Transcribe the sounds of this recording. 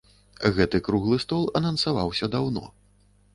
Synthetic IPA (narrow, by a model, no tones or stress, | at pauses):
ɣɛt̪ɨkɾuɣlˠɨst̪ɔlˠɐnɐnsava̰wsʲɐd̪awnɔ̰